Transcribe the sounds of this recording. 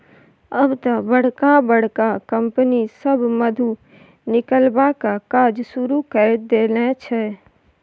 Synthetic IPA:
əbt̪əbəɽ̤kabəɽ̤kakəmpənisəbməd̪ʱu | nɪkəlbakakaɾd͡ʒsuɾukəɾd̪enɛt͡ʃʰɛ

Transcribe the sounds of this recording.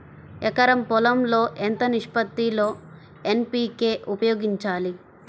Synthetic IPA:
ɛkɐɾɐmpɔlɐmlo̞ːʔent̪ɐniʂpɐt̪ːilo̞ː | enpiːke̞ːʔupɐjoːɡiɲt͡ʃaːli

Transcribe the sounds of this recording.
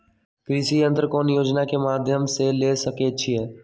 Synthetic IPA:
kɾisiə̃nt̪ɾəkɔːnjoːd͡ʒnakemaːd̪ʱjəmselesəket͡ʃʰiɦɛː

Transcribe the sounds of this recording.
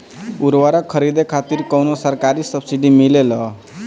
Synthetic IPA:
uɾwaɾʌkʰʌɾid̪ekʰat̪iɾkʌwnosəɾkaɾisʌbsiɖimilelʌ

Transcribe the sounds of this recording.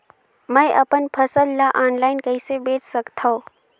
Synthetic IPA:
mə̃ɪʔɐpənpʰəsəlːaʔaːnlaːɪnkɐisebeːt͡ʃsəkt̪ʰaõ

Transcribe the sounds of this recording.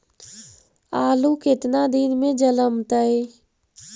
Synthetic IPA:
aːlukɪt̪nad̪inmẽd͡ʒələmt̪əj

